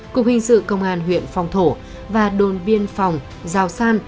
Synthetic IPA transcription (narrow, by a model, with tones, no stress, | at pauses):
ku˨˩ək̚hï˨˩ŋ̟sɨ̰˧˨kə˧wŋ͡mʔaː˧nɦwḭ˧˨ənfɔ˨˩wŋ͡mt̪ʰo˧˩ | vaː˨˩ɗo˨˩nɓi˧ənfa˨˩wŋ͡m | zaː˨˩wsaː˧n